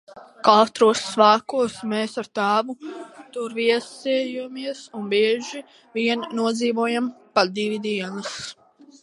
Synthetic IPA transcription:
kat̪ɾuɔsːvaːkuɔsmeːsaɾt̪aːvut̪uɾviɛsɛjumiɛsunbiɛʒi | viɛnnuɔd̪ziːvuɔjampad̪ivid̪iɛnɨs

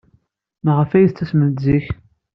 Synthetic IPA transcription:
mʁəfæjəθt͡sːæsməziç

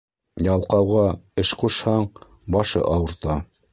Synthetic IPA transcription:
jɑlˠqɑwʁɑɘʃquʃhɑɴ | bɑʃɤ̰ʔɑwɤ̆ɾt̪ɑ

